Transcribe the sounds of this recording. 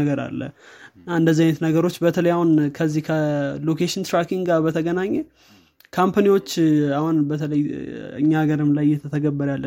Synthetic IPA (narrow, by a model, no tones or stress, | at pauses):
əɡəɾa̰lːə̰aɨnd̪əzajnət̪nəɡəɾo̞t͡ʃːbət̪ʰələjahunkʰəzːihkʰəlokʰeʃɪnt̪ɾakiŋɡɡabət̪ʰəɡənaɲːɛ | kʰampʰaniwo̞t͡ʃːahunbət̪ʰələjɨ̰ɲːaɡəɾɨmlajɪjɛt̪ʰət̪ʰəɡəbːəɾalːə